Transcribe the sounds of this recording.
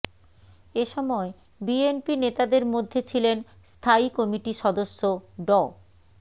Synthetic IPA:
eʃɔmɔe | bienpinet̪ad̪eɾmod̪ʱːet͡ɕʰilen | st̪ʰaikɔmiʈiʃɔd̪oʃːoɖɔ

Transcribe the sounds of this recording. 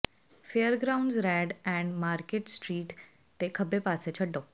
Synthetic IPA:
feəɾɡɾawɳɖzɾæɖɛ̃ɳɖmaɾkeʈsʈɾiːʈ | t̪ekʰəbepaset͡ɕʰəɖo

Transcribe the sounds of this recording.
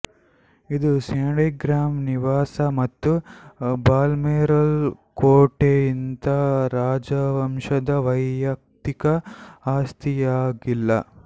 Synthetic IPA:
id̪useːɽiɡɾaːmniʋaːsɐmɐt̪ːubaːlmeːɾɐlkoːʈeint̪ɐɾaːd͡ʒɐʋɐmʂɐd̪ɐʋɐjɐk̚t̪ikɐaːst̪ʰijaːɡilːɐ̰

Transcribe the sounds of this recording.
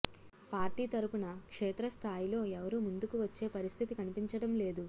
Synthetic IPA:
paːɾʈiːt̪ɐɾupunɐkʂeːt̪ɾɐst̪ʰaːjilo̞ːɛʋɐɾumund̪ukuʋɐt͡ʃːe̞ːpɐɾist̪ʰit̪ikɐnipiɲt͡ʃɐɽɐmle̞ːd̪u

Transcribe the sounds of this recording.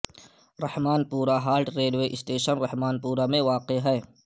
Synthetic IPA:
ɾɐhmaːnpuːɾaɦaːɾʈɾeːɖʋeʔɪsʈeːʃənɾɐhmaːnpuːɾamẽʋaːqeɦɛː

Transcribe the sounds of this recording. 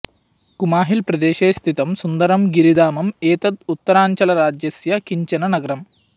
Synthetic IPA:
kumaːɦilpɾɐd̪eːʃeːst̪ʰit̪ɐmsund̪ɐɾɐmɡiɾid̪aːmɐmeːt̪ɐd̪̚ut̪ːɐɾaːɲt͡ʃɐlɐɾaːd͡ʒjɐsjɐkiɲt͡ʃɐnɐnɐɡɐɾɐm

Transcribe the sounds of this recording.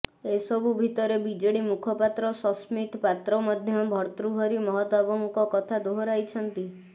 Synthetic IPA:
esɔbʱubʱit̪ɔɾebid͡ʒeɽimukʰɔpat̪ɾɔsɔsmit̪pat̪ɾɔmad̪ʱjɔbʱɔɾt̪ɾuɦɔɾimɔɦɔt̪abɔŋkɔkɔt̪ʰad̪oɦɔɾajt͡ʃʰɔnt̪i

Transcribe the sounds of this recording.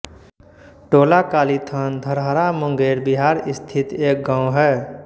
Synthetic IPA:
ʈoːlakaːlit̪ʰənd̪ʱəɾɦəɾamə̃ŋɡeːɾbiɦaːɾɪst̪ʰɪt̪eːk̚ɡãːw̃ɦɛː

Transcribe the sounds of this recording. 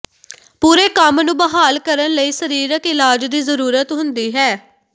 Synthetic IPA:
puːɾeːkəmnũːbəɦaːlkəɾənləiːsəɾiːɾəkɪlaːd͡ʒd̪iːzəɾuːɾət̪ɦʊnd̪iːɦɛː

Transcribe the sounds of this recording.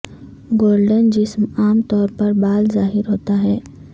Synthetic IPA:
ɡoːɾɖənd͡ʒɪsmaːmt̪ɔːɾpɐɾbaːlzaːɦɪɾɦoːt̪aɦɛː

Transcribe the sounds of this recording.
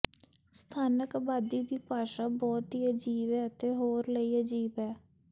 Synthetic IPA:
st̪ʰaːnəkbaːd̪iːd̪iːpaːʃaːbɔːt̪iːəd͡ʒiːʋɛːət̪eːɦoːɾləiːəd͡ʒiːbɛː

